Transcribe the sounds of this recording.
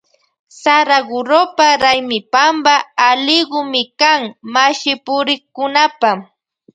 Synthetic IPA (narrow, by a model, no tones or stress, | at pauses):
saɾaɢʊɾopaɾajmɪpambaːlɪɢʊmɪkaŋmaʃɪpʊɾɪχkʊnapa